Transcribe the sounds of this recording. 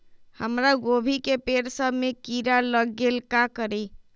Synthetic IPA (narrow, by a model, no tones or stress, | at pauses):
həmɾaɡobʱikepeɾsəbʱmekiɾaləɡelkakəɾi